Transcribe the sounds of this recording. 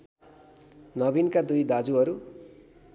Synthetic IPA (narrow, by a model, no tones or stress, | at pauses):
nʌbinkad̪ujd̪ad͡zuɦʌɾu